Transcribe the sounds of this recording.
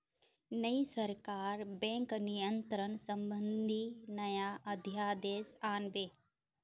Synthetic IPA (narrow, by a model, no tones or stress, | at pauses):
nəisəɾkaːɾbɛ̃ːŋknijənt̪ɾənsɐ̃mbə̃nd̪ʱinɐjaʔɐd̪ʱjaːd̪eːsaːnʋeː